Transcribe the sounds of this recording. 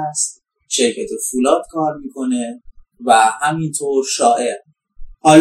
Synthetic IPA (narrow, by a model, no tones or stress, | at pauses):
st̪̚ | ʃe̞ɾcʰæt̪ʰefulɒːd̪̥̚kʰɒːɾmiːkʰo̞ne̞ | væhæmint̪ʰoːɾʃɒːʔeɾ | ɒːl